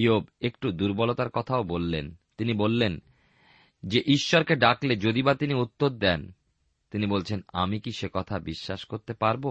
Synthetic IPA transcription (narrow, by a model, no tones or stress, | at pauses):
iobekʈud̪uɾbɔlot̪aɾkɔt̪ʰaobolːent̪inibolːen | d͡ʑeʔiʃːɔɾkeɖakled͡ʑod̪ibat̪iniut̪ːod̪̚ːɛn | t̪inibolt͡ɕʰenamikiʃekɔt̪ʰabiʃːaʃkoɾt̪epaɾbo